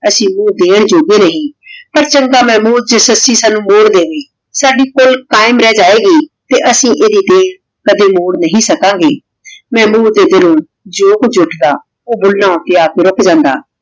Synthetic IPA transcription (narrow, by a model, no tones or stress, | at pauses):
əsĩːmũːd̪eːɳd͡ʒoːɡeːnəɦĩːpəɾt͡ʃəŋɡaːmɛ̃ːmuːɾd͡ʒəsəsiːsaːnũːmoːɽd̪eːɦoiː | saːɖiːkolkaːɪmɾɛːd͡ʒaːeːɡiːt̪eːʔəsĩːʔeːd̪iːd̪eːɽ | kəd̪eːmoːɽnəɦĩːsəkãːŋɡeː | mɛ̃ːmuːɾd̪eːd̪ɪlõː | d͡ʒoːkʊd͡ʒʊʈʰd̪a̰ː | oːbʊlnãːoːt̪ɪjaːkɪɾʊkʰd͡ʒãːnd̪a̰ː